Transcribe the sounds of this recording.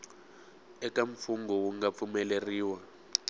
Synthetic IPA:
ɛkʼaɱ̩fuŋɡɔwuŋɡap̪fumɛleriːwa

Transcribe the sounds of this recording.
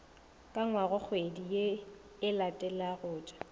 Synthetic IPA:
kʼaŋwaɣʊk͡xʰwedije | ɪlatʼɛlaɣʊːt͡ʃʼḁ

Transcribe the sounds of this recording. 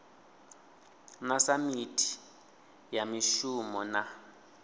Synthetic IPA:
nasamitʰi̥ | jamiʃumɔna

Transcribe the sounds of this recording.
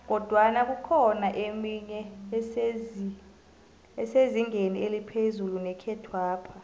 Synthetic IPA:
k̬ɔd̥ʱwanak̬ukʰɔnaʔemiɲɛsezi | ɛseziŋʱenielipʰezulunɛkʰɛtʰwaːpʰa

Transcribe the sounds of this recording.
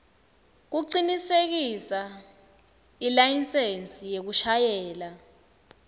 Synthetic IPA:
k̬uǀinisek̬isa | ilajinsent͡sʼijek̬uʃajɛːla

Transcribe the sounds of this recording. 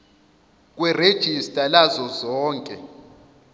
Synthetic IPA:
k̬ʼwɛred̥ʒ̥ʱistʼalazɔzɔːŋkʼɛ

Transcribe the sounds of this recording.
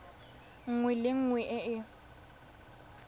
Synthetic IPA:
ŋ̩ŋwɛlɪŋ̩ŋwɛʔɛɪ

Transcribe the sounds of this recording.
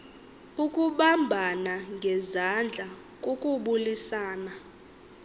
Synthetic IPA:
ukʼuɓambʱanaŋɡʱɛzand͡ɮʱa | kʼokʼuɓulisaːna

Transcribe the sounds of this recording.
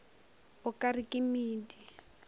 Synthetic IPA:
ʊkʼarikʼɪmiːdi

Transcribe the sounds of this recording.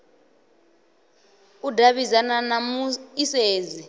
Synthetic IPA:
udʱaβizananamuiseːzi

